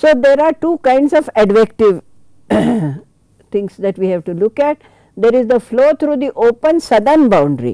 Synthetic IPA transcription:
soːd̪eːɾaːɾʈuːkãɪ̃ɳɖsɔfɛɖʋek̚ʈɪʋ | t̪ʰɪ̃ŋsd̪ɛʈʋiːhɛʋʈulʊkɛʈ | d̪eɾɪzd̪əfloːt̪ʰɾuːd̪iʔoːpə̃nsʌd̪ə̃nbãʊ̃ɳɖɾḭ

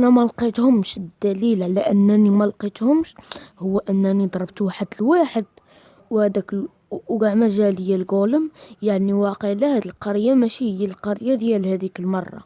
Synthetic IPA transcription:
ʔnæmælqit̪hʊmʃd̪ːælilʕalæʔənːænimælqit̪hʊmʃhʊwːæʔənːænid̪ˤɾˤɑbt̪waħəd̪əlwaħəd̪ | whæd̪æk | ɡaʕmæʒæləjːælɡoləmjaʕniwɑqəʕlæhæd̪ilqɑɾjːamæʃihəjːælqɑɾjːad̪jælhæd̪ikəlmɑrˤːɑ̰

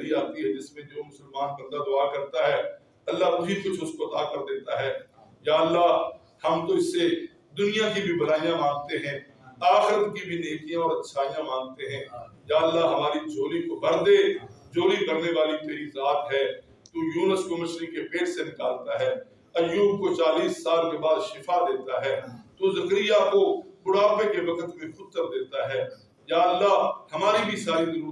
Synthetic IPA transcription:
ɾiaːt̪iɦɛd͡ʒɪsmẽd͡ʒoːmʊsəlmaːnpɐɾd̪ad̪ʊaːkɐɾt̪aɦɛː | ɐlːaʊɦikʊt͡ʃʰʊskoɐt̪aːkɐɾd̪eːt̪aɦɛːjaːəlːa | hɐmk̪oɪsːe | d̪ʊnɪjãkibʱibɐlaːijãmãːŋɡt̪eɦɛ̃ː | aːxɪɾət̪kibʱineːkijãɔːɾɐt̪ːʃʰaːijãmãːŋɡt̪eɦɛ̃ːjaːəlːaɦɐmaːɾid͡ʒoːlikobɐɾd̪eːd͡ʒoːlibɐɾneʋaːlit̪eːɾizaːt̪ɦɛː | t̪oːjuːnəskoməʃlikepeːʈsenɪkaːlt̪aɦɛː | ɐjuːb̚kot͡ʃaːliːsːaːlkebaːd̪ʃɪfʰad̪eːt̪aɦɛːt̪oːzɐkɾijakobʊɽaːpekeʋɐkət̪mẽxʊd̪̚k̪əɾd̪eːt̪aɦɛː | jaːəlːahɐmaːɾibʱisaːɾid̪ɐɾuː

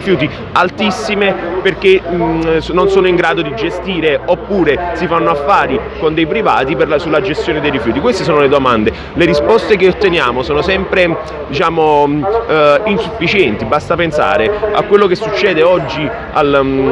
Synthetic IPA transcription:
fjuːt̪i | alt̪isːimeperk̟esnːonsoːnoiŋɡɾaːd̪od̪id͡ʒest̪iːɾeopːuːɾesifanːoafːaːɾikond̪ejpɾiva̰ːt̪iperlasulːad͡ʒest̪joːned̪ejɾifjuːt̪ikwest̪es̬oːnoled̪omand̪e | leɾispɔst̪ek̬eot̪ːenjaːmosoːnosɛmpɾe | d̪it͡ʃaːmo | insufːit͡ʃɛnt̪ibast̪apensa̰ːɾea̰kːwelːokesːut͡ʃːɛːd̪eɔd͡ʒːi | a̰l

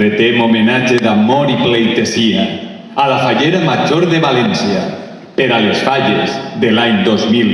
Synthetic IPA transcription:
et̪emomenad͡ʒeðamoɾiplejt̪ezia | alafaʎeɾamaʒoɾðeβalɛnsia | peɾalesfaʎezðelaɲd̪ozmil

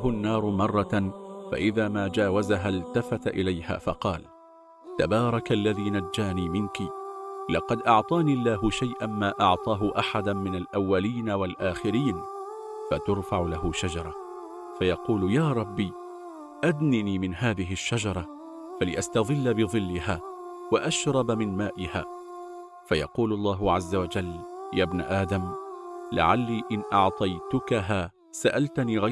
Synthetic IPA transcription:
hʊnːɑːɾˤʊmɑrˤːɑfa̰ʔɪðaːmaːd͡ʒaːwazaɦalt̪afat̪ʔɪ̰lajha̰ːfɑ̰qɑːl | t̪abɑːɾˤɑkalːaðiːnad͡ʒːaːniːmɪnkilɑqɑd̪ʔɑʕt̪ˤɑːnilːaːɦʊʃajʔanmaːʔɑʕt̪ˤɑːɦʊʔaħad̪amɪnalʔawːaliːnawalʔaːxɪɾiːn | fat̪ʊɾˤfaʕlaɦʊʃad͡ʒɑɾˤɑ | fajɑquːljaːɾˤɑbːiː | ʔad̪niːniːmɪnɦaːðɪɦɪʃːad͡ʒɑɾˤɑ | falɪʔast̪ɑðˤɨlːabɨðˤɨlːɪhaː | waʔaʃɾˤɑbmɪnmaːʔɪha̰ː | fajɑ̰quːlɑlˤːɑːɦʊʕazːawad͡ʒalːjaːbna̰ʔaːd̪amla̰ʕalːiːʔɪnʔɑʕt̪ˤɑjt̪ʊkaɦaː | saʔalt̪aniːɣa

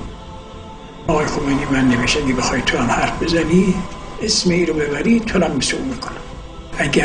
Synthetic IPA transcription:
ɒɣɒːjexomejniːmænːeveʃæɡebexɒjt̪ʰoɾanhæɾfbe̞zæniːesmeiːɾobe̞βæɾit̪ʰolæmːiseuːmikʰonæ | æɡʲæ

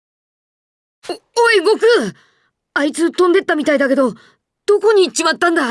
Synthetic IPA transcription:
oiɡo̞kɯ | ait͡sɨːt̪õ̞nd̪e̞t̪ːamʲit̪aid̪ake̞d̪o̞ | d̪̥o̞ko̞ɲ̟it͡ɕimat̪ːãnd̪a

